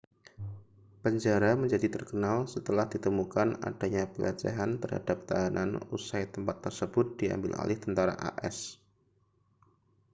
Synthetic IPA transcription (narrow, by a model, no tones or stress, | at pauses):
pəɲd͡ʒaɾaməɲd͡ʒadit̪ərkənalsət̪əlahd̥it̪əmukana̰d̥aɲapəlad͡ʒa̰ɦant̪ərɦa̰dap̚t̪aɦanʔa̰nusajt̪əmpat̪ːərsəbʊt̪̚d̥ia̰mbɪ̰la̰lɪht̪ənt̪aɾa̰ʔa̰ʔɛ̰s